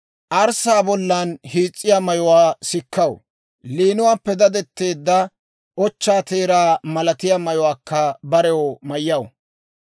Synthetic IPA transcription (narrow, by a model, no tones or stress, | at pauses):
ʔɐɾsaːbɔlːɐnhiːt͡sʼːɪjamɐjʊwaːsɪkːɐw | liːnʊwaːpːɛd̪ɐd̪ɛt̪ːe̞ːd̪ːɐ | ʔɔt͡ʃːaːt̪eːɾaːmɐlɐt̪ɪjamɐjʊwaːkːɐbɐɾɛwɔmɐjːɐw